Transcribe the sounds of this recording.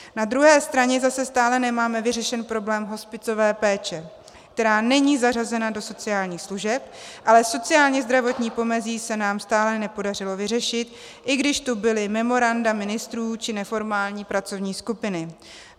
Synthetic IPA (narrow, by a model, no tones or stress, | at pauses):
nad̪ɾuɦɛːst̪ɾaɲɛzasɛst̪aːlɛnɛmaːmɛvɪr̝ɛʃɛnpɾo̞blɛːmɦo̞spɪt͡so̞vɛːpɛːt͡ʃɛ | k̚t̪ɛɾaːnɛɲiːzar̝azɛnado̞so̞t͡sɪjaːlɲiːxsluʒɛpʔalɛso̞t͡sɪjaːlɲɛzd̪ɾavo̞t̪ɲiːpo̞mɛziːsɛnaːmst̪aːlɛnɛpo̞dar̝ɪlo̞vɪr̝ɛʃɪt̪ | ʔɪɡdɪʃt̪ubɪlɪmɛmo̞ɾandamɪnɪst̪ɾuːt͡ʃɪnɛfo̞ɾmaːlɲiːpɾat͡so̞vɲiːskupɪnɪ